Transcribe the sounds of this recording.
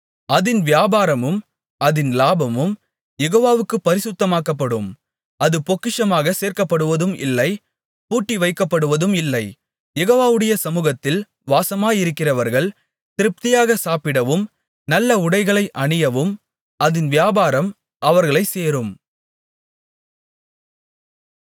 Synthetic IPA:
ɐðɪnʋɪjaːbaːɾɐmɯm | ʔɐðɪnlaːbɐmɯm | jɛɣoːʋaːʋɯkːɯpːɐɾɪsɯt̪ːɐmaːkːɐpːɐɽɯm | ɐðɯpɔkːɪʂɐmaːɣɐseːɾkɐpːɐɽɯʋɐðɯmɪ̰lːɐɪ | puːʈːiʋɐɪkːɐpːɐɽɯʋɐðɯmɪlːɐɪ | jɛɣoːʋaːʋɯɽɐjɐsɐmuːɣɐt̪ːɪl | ʋaːsɐmaːjɪɾɯkːɪrɐʋɐɾɣɐɭ | t̪ɪɾɯp̚t̪ɪjaːɣɐsaːpɪɽɐʋɯm | nɐlːɐʊɽɐɪɣɐɭɐɪʔɐɳɪjɐʋɯm | ɐðɪnʋɪjaːbaːɾɐm | ʔɐʋɐɾɣɐɭɐɪseːɾɯm

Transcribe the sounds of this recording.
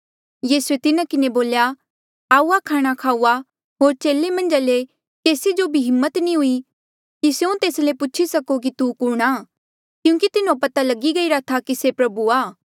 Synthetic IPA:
jiːsuet̪ɪnãkɪneboːlja | aːuakʰaːɽ̃akʰaːuːa | ɦoːɾt͡ʃeːlːemɐ̃nd͡ʒale | keːsid͡ʒobʱiɦɪmːət̪nĩɦʊi | kisjũt̪eːslepʊːt͡ʃʰisɐkok̬it̪ukʊɽ̃aː | kjũːkit̪ɪnõpɐt̪alɐɡiɡɐiɾat̪ʰakisepɾɐbuaː

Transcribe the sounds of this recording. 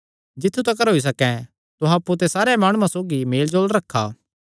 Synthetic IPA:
d͡ʒɪt̪ʰːut̪ɐkɐɾɦoːis̬ɐkɛ̃ | t̪ʊɦãɐpːut̪̬esaːɾamaːɽ̃uːãsoːɡimeːld͡ʒoːlɾɐkʰːa̰ː

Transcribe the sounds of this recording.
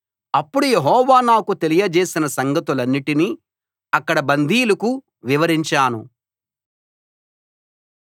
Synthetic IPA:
ɐpːuɽujeɦɔːʋaːnaːkut̪e̞lijɐd͡ʒeːsinɐsɐŋɡɐt̪ulɐnːiʈini | ɐkːɐɽɐbɐnd̪ʱiːlɐku | ʋiʋɐɾiɲt͡ʃaːnu

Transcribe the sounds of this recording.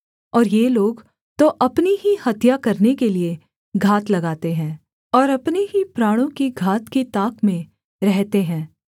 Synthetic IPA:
ɔːɾjeloːɡ | t̪oʔɐpniɦihɐt̪jakɐɾnekelie | ɡʱaːt̪lɐɡaːt̪eɦɛ̃ː | ɔːɾɐpneɦipɾaːɽ̃õkiɡʱaːt̪kit̪aːkmẽ | ɾɛɦt̪eɦɛ̃ː

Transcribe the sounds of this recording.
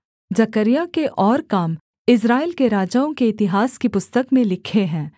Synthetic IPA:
d͡ʒɐkəɾijakeʔɔːɾkaːm | ɪs̬ɾaːɪlkeɾaːd͡ʒaːõkeɪt̪ɪɦaːskipʊst̪əkmẽlɪkʰeɦɛ̃ː

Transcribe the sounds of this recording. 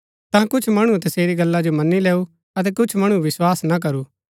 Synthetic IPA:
t̪ãːkʊt͡ʃʰmɐɽ̃ut̪ɐseːɾiɡɐlːad͡ʒomɐnːilɛːu | ɐt̪̬ɛkʊt͡ʃʰmɐɽ̃uʋɪswaːsnak̬ɐɾuː

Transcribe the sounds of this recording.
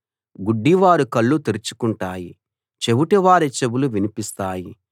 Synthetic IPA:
ɡuɖːiʋaːɾukɐɭːut̪iɾit͡ʃu̥kuɳʈaːji | t͡ʃe̞buʈɛʋaːɾit͡ʃe̞buluʋinipist̪aːji

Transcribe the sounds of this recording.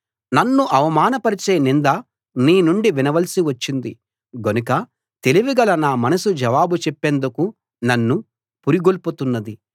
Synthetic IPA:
nɐnːuʔɐʋɐmaːnɐpɐɾit͡ʃeːnind̪ɐ | niːnuɳɖiʋinɐʋɐlɐsiʋɐt͡ʃːind̪i | ɡonukɐ | t̪e̞liʋiɡɐlɐnaːmɐnɐsud͡ʒɐʋaːbut͡ʃepːeːnd̪uku | nɐnːu | puɾiɡolput̪unːɐd̪i

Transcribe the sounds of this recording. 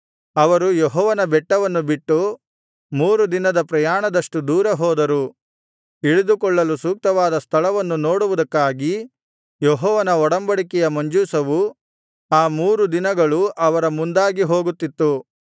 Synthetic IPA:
ɐʋɐɾujɔɦɔːʋɐnɐbɛʈːɐʋɐnːubiʈːu | muːɾud̪inɐd̪ɐpɾɐjaːɳɐd̪ɐʂʈud̪uːɾɐɦɔːd̪ɐɾu | iɭid̪ukɔɭːɐlusuːk̚t̪ɐʋaːd̪ɐst̪ʰɐlɐʋɐnːuno̞ːɽuʋud̪ɐkːaːɡi | jɔɦɔːʋɐnɐɔɽɐmbɐɽikɛjɐmɐɲd͡ʒuːsɐʋu | aːmuːɾud̪inɐɡɐɭuʔɐʋɐɾɐmund̪aːɡiɦoːɡut̪ːit̪ːu

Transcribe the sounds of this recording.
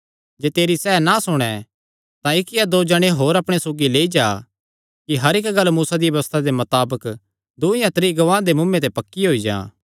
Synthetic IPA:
d͡ʒeːt̪eːɾisɛːnasʊɽ̃ɛ | t̪ãɪkɪjad̪oːd͡ʒɐɽ̃eɦoːɾɐpɽ̃esoːɡileːid͡ʒaː | kiɦɐɾɪkɡɐlːmuːsad̪ijʋjɐəst̪ʰad̪emɐt̪aːbək | d̪ʊɪjãt̪ɾiɡɐʋãːd̪emʊ̃mːẽt̪epɐkːiɦoːid͡ʒã̰ː

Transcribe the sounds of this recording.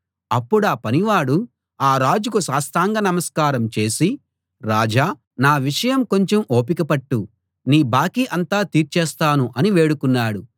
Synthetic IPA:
ɐpːuɽaːpɐniʋaːɽu | aːɾaːd͡ʒukuʃaːst̪aːŋɡɐnɐmɐskaːɾɐmt͡ʃe̞ːsi | ɾaːd͡ʒaː | naːʋiʂɐjɐmko̞ɲt͡ʃemo̞ːp̬ikɐpɐʈːu | niːbaːkiʔɐnt̪aːt̪iːɾt͡ʃɛːst̪aːnuʔɐniʋe̞ːɽukunːaːɽu

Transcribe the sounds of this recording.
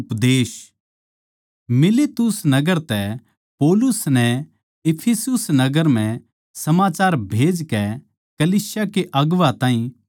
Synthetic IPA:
ʊpd̪eːs | mɪlet̪ʊsnɐɡəɾt̪ɛ | poːlʊsnɛ | ɪpʰesʊsnɐɡəɾm̤ɛ̃ | sɐmaːt͡ʃaːɾbʱeːd͡ʒkɛ | kɐliːsɪjakeʔɐɡʋat̪aːĩ

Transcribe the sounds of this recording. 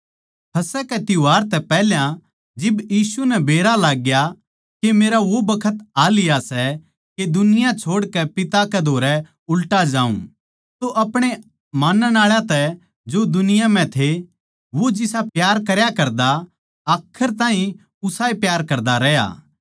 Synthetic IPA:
pʰɐsɛkɛt̪ɪʋaːɾt̪ɛpɛɦljã | d͡ʒɪbjiːsunɛbeːɾalaːɡja | kemeːɾaʋobɐkʰət̪aːlɪjasɛ | ked̪ʊnɪjãt͡ʃʰoːɽkɛpɪt̪akɛd̪ʱoːɾɛ | ʊlʈad͡ʒaːṵ̃ | t̪oʔɐpɽ̃e | maːnənaːɭjãt̪ɛ | d͡ʒod̪ʊnɪjãmɛ̃t̪ʰe | ʋod͡ʒɪsapjaːɾkɐɾjakɐɾd̪a | aːkʰəɾt̪ãːɦĩ | ʊsaːepjaːɾkɐɾd̪aɾɛːja̰ː

